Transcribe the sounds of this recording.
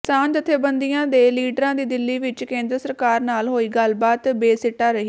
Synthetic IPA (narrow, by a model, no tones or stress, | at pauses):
kɪsaːnt̪ət̪ʰːeːbənd̪ijãːd̪eːliːɖɾãːd̪iːd̪ɪlːiːʋɪt͡ʃkẽːnd̪ɾəsəɾkaːɾnaːlɦoːiːɡəlbaːt̪beːsɪʈːaːɾəɦiː